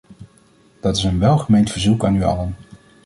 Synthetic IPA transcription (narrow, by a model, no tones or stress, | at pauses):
d̥ɑtɪsənʋɛlˠχəmejntfəɹzukaːnyɑ̰lən